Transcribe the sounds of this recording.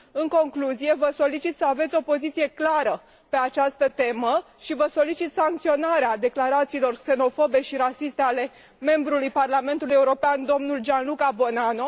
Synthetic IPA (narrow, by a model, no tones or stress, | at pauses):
ɨŋko̞ŋkluzije̞vəso̞lit͡ʃit̪səave̞t̪sʲo̞po̞zit̪sije̞klaɾə | pe̞at͡ʃast̪ət̪e̞mə | ʃivəso̞lit͡ʃit̪saŋk̚t̪sio̞naɾead̪e̞klaɾat̪siːlo̞rkse̞no̞fo̞be̞ʃiɾasist̪e̞ale̞ | me̞mbɾulujparlame̞nt̪uluje̞uɾo̞peand̪o̞mnulʒanlukabo̞nano̞